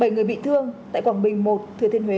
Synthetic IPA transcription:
ɓə˧˩jŋɨ˨˩əjɓḭ˧˨t̪ʰɨ˧əŋt̪a̰ː˧˨jkwaː˧˩nɓï˨˩ŋ̟mo˨˩t̚t̪ʰɨ˨˩ət̪ʰi˧ənɦwe˨˦

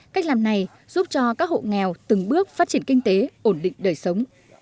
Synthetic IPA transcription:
ka˦˥jk̚laː˨˩mna˨˩j | z̥u˦˥p̚t͡ɕɔ˧kaː˦˥k̚ho̰˧˨ŋɛ˨˩wt̪ɨ˨˩ŋɓɨ˦˥ək̚faː˦˥t̚t͡ɕi˧˩ənkï˧ŋ̟t̪e˨˦ʔo˧˩nɗḭ̈˧˨ŋ̟ɗəː˨˩jsə˨˦wŋ͡m

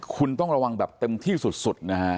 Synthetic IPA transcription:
kʰu˧nt̪ɔ˥˩ŋɾa˧wa˧ŋbɛː˨˩p̚t̪e˧mt̪ʰiː˥˩su˨˩t̪̚su˨˩t̪̚na˦˥kʰa˦˥

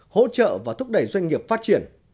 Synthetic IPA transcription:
ho̰˧˥t͡ɕə̰ː˧˨vaː˨˩t̪ʰʊ˦˥k͡p̚ɗə˨˧˩jzwa˧jŋ̟ŋi˨˩əp̚faː˦˥t̚t͡ɕi˧˩ən

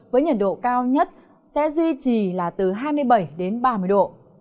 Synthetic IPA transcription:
vəː˨˦jɲə˨˩t̚ɗo̰˧˨kaː˧wɲə˦˥t̚ | sɛ̰˧˥zwi˧t͡ɕi˨˩laː˨˩t̪ɨ˨˩ɦaː˧jmɨ˧əjɓə˧˩jɗe˨˦nɓaː˧˩mɨ˧˩əjɗo̰˧˨

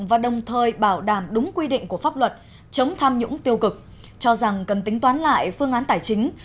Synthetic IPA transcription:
vaː˨˩ɗə˨˩wŋ͡mt̪ʰəː˨˩jɓaː˧˩wɗaː˧˩mɗʊ˨˦ŋ͡mkwi˧ɗḭ̈˧˨ŋ̟ku˧˩əfaː˦˥p̚lwə˨˩t̚ | t͡ɕə˨˦wŋ͡mt̪ʰa˧mɲʊ̰˧˥ŋt̪i˧əwkɨ˨˩k̚ | t͡ɕɔ˧za˨˩ŋkə˨˩nt̪ï˨˦ŋ̟t̪waː˨˦nla̰ː˧˨jfɨ˧əŋʔaː˨˦nt̪aː˧˩jt͡ɕï˨˦ŋ̟

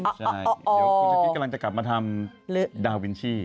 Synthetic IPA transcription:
t͡ɕʰa˧˥˩ɔ˧ɔː˧˥kla˧ŋt͡ɕa˨˩ka˨˩p̚maː˧t̪ʰa˧m | lɯ˦˥daː˧wi˧nt͡ɕʰiː˥˩

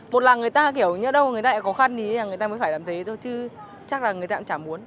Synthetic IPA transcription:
mo˨˩t̚laː˨˩ŋɨ˨˩əjt̪aː˧k̬i˧˩əwɲə˦˥ɗə˧wŋɨ˨˩ət̪aː˧ɛ̰˧˥˩kxɔ˨˦xa˧nɗi˨˦aː˨˩ŋ˨˩jt̪aː˧mə˨˦faː˧˩jlaː˨˩mt̪ʰe˨˦t̪o˧jt͡ɕɨ˧ | t͡ɕa˦˥k̚laː˨˩ŋɨ˨˩əjt̪a̰ː˧˥t͡ɕaː˧˩mʔu˨˦ən

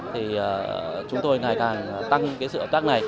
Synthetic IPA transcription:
t̪ʰi˨˩əː˨˩t͡ɕʊ˨˦ŋ͡mt̪o˧jŋaː˨˩jkaː˨˩n˨˩t̪a˧ŋ˦kaː˨˦sɨ̰˧˨˧əː˨˧˩t̪aː˦˥k̚na˨˩j

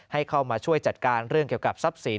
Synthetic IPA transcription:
ha˥˩jkʰa˥˩wmaː˧t͡ɕʰu˥˩əjt͡ɕa˨˩t̪̚kaː˧nɾɯ˥˩əŋki˨˩əka˨˩p̚sa˦˥p̚si˩˦

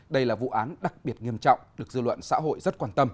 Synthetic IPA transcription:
ɗə˧jlaː˨˩vṵ˧˨ʔaː˨˦nɗa˨˩k̚ɓi˨˩ət̚ŋi˧˩əmt͡ɕɔ̰˧˨wŋ͡mɗɨ˨˩ək̚zɨ̰˧˨lwə̰˧˨nsa̰ː˧˥ɦo̰˧˨jzə˦˥t̚kwaː˧nt̪ə˧m

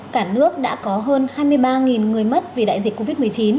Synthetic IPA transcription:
kaː˧˩nɨ˦˥ək̚ɗa̰ː˧˥kɔ˨˦ɦəː˧nhaː˧jmɨ˧əjɓaː˧ŋi˨˩nŋɨ˨˩əjmə˦˥t̚vi˨˩ɗa̰ː˧˨jzi˨˩kkːo˧vi˦˥t̚mɨ˨˩əjt͡ɕi˨˦n

